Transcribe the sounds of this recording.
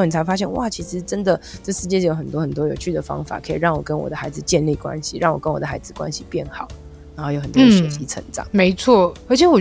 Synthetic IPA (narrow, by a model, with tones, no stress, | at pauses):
ni˨˩t͡sʰɪfa˥ɕ̬jɛ˥˧nwa̰˨˩t͡ɕʰi˧˥ʂɻ̩˧˦ʈ͡ʂə˦˥nd̪ə˨ʈ͡ʂə˥˧ʂɻ̩˥˧t͡ɕjɛ˥˩jo˧˥ʊxə˨˩nt̪wɔ˥xə˨˩nt̪wɔ˥jo˨˩ʊt͡ɕʰy˥˩d̪ə˩fɑ̰˥ŋfa̰˨˩kʰə˧˥i˨˩ɻɑ˥˩ŋwɔ˨˩kə˦˥nwɔ̰˨˩d̪ə˦xa˧˥ɪd͡zɹ̩˨t͡ɕjɛ˥˧nli˥˩kwa̰˥˦nɕi˨ɻɑ˥˩ŋwɔ˨˩kə˦˥nwɔ˨d̪ə˩xa˧˥ɪd͡zɹ̩˨˩kwa̰˥nɕi˨pjɛ˥˩nxɑ˨˩˦ʊ | na˨˥xo˥˩jo˧˥xə˨˩nt̪wɔ˥d̪ʂwe˧˥t͡ɕi˧˥ʈ͡ʂʰə̰˧˥ŋʈ͡ʂɑ̰˨˩˦me˧˥ɪt͡sʰwɔ˥˩ə˧˥t͡ɕʰɛ˧˦wɔ˨˩